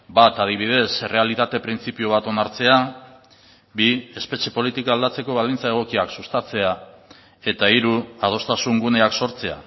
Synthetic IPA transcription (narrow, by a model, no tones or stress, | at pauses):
bat̪að̞iβ̞ið̞e̞sere̞alit̪at̪e̞pɾint͡sipioβ̞at̪o̞naɾt͡se̞a | bie̞spe̞t͡ʃe̞po̞lit̪ikaald̪at͡se̞ko̞β̞alint͡sae̞ɣ̞o̞kiaksust̪at͡se̞a | e̞t̪aiɾuað̞o̞st̪asuŋɡune̞akso̞ɾt͡se̞a̰